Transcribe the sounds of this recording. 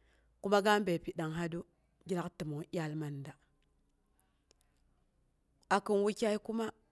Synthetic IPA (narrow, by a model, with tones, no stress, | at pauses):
ku˦ma˦ɡa˦m˦be˨pi˨ɗa˨ŋɦa˦du˦ | ɡʲi˦ɾa˦kti˨mo˨jʲa˦lma˨nda˨ | a˨ki˨nwu˦kʲa˦i˦ku˦ma˦